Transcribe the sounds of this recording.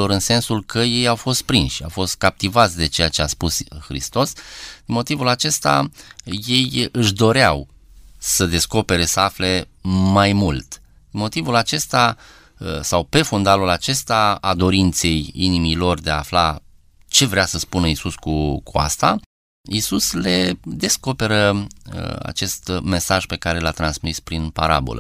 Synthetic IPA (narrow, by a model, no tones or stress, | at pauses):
o̞ɾɨnse̞nsulkʰəje̞jawfo̞st̪̚pɾinʃa̰wfo̞st̪̚kap̚t̪ivat̪sʲd̪e̞t͡ʃe̞jat͡ʃeaspusxɾḭst̪o̞sd̪inmo̞t̪ivulat͡ʃe̞st̪a̰je̞jɨʃd̪o̞ɾeaw | səd̪e̞sko̞pe̞ɾe̞səafle̞majmult̪ | d̪̥inmo̞t̪ivulat͡ʃe̞st̪a | əsawpe̞fund̪alulat͡ʃe̞st̪aad̪o̞ɾint̪se̞jinimilo̞rd̪eaːfla | t͡ʃe̞vɾeasəspunəisuskukʰua̰st̪a | isusle̞d̪e̞sko̞pe̞ɾə | a̰t͡ʃe̞st̪me̞saʒpe̞kaɾe̞lat̪ɾansmispɾinpa̰ɾa̰bo̞̰lʔə̰